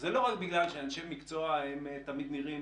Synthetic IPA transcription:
zelo̞ʁakbiɡlalʃeanʃemmːikt͡so̞aemet̪amid̪niʁim

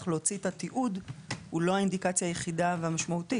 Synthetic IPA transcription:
χlot͡sitatiʔudhulo̞haind̪ikat͡sjaːjeχidavehamaʃmaut̪i

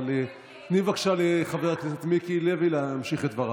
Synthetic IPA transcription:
le | nivakʃaleχaveʁklisat̪mikilevilemʃiχet̪vaʁ

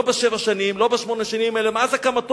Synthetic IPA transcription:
obeʃevaʃanimlobaʃmo̞neʃanimelemazekamat̪

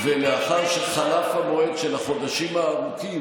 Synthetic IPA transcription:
veleaχaʁʃeχalafamoed̪ʃelaχo̞d̪aʃimaːʁukim

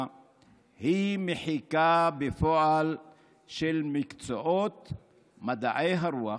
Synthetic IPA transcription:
himeħikabefoʔal | ʃelmikt͡soʔot̪ | mad̪aʔejɦaɾua

